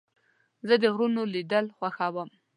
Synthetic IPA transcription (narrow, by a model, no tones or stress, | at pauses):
zəd̪əɣɾunolid̪əlxwaxawəm